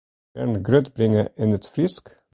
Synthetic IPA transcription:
æ̰ɳɡɾœd̪bɾɪŋəʔɛnət̪fɾɪsk

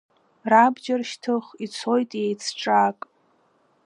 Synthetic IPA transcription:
rabd͡ʒarʃtʰɨχit͡sʰo̞jtʼejt͡sʰʈ͡ʂʼakʼ

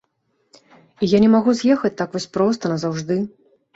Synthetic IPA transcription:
ijanʲɛmaɣuzʲjɛxɐt͡sʲt̪akvɔsʲpɾɔst̪ɐnɐzawʐd̪ɨ

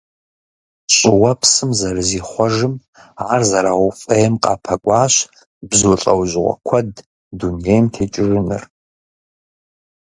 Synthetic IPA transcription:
ɕʼɪwɐpʰsɨmzɐrɨziːχʷɔʒɨm | aːrzɐɾaʊfʼejɛmqʼa̰ːpʰɐkʷʼaːɕ | bzuɬʼɐ̰wʒʁʷɔ̰kʷʰɐdː | unejmtʰeːt͡ʃʼɪrɨnɨ̰r

